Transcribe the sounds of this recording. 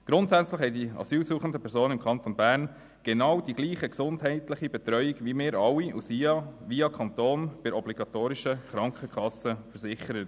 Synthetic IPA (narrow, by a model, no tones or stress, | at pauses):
ɡ̥ɾʊntsæt͡sləχhɛɪdiɑ̰syːlsuːχən̩dəpʰɛɾsoːnnɪmkʰɑnt̪ɔnbæːɾn | ɡ̥ɛnɑwd̥iɡ̥liːχəksʊndɦɛɪtləχibɛt̪ɾœʏiɡʋimɪːɾɑwːiṵsiɑʋiɑkʰɑnt̪oːnb̥ɪɾɔbliɡ̥ɑt̪oːɾɪʃəχɾɑŋkʰχəkʰχɑsəfəɾsɪχəɾət